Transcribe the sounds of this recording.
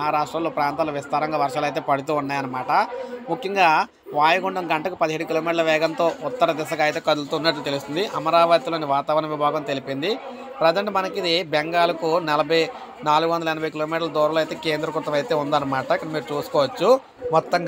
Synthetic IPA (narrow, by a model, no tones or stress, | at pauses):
ɦɐɾaːʂʈɾɐːmlo̞ːpɾaːnt̪aːloːʋist̪aːɾɐŋɡaːʋɐɾʂaːlɐjt̪̬e̞ːpɐɽut̪uːunːaːjɐnːɐmaːʈɐmukʰjɐŋɡaː | ʋaːjɐɡuɳɖɐmɡɐɳʈɐkupɐd̪iɦiːɽukiloːmiːʈɐlɐʋɛːɡɐnt̪o̞ːut̪ːɐɾɐd̪isɐkɐjt̪eːkɐd̪ult̪uːnːɐʈ̬lut̪e̞lust̪und̪iʔɐmɐɾaːʋɐt̪ilo̞ːniʋaːt̪aːʋɐɾɐnɐʋibʱaːɡɐmt̪e̞lipind̪i | pɾɐd͡ʒɐɳʈmɐnɐkid̪ibɛŋɡaːlɐkunɛlɐbʱɐj | naːluɡuʋɐnd̪ɐlɐɛnɐbʱɐjk̬iloːmiːʈɐlɐd̪ɔːɾɐloɐjt̪e̞ːke̞ːnd̪ɾɐkuɾt̪ɐmɐjt̪e̞ːund̪ɐnːɐmaːʈɐikːɐɽɐmiːɾut͡ʃuːsu̥kɔːʋɐt͡ʃːu | mɔt̪ːɐŋɡ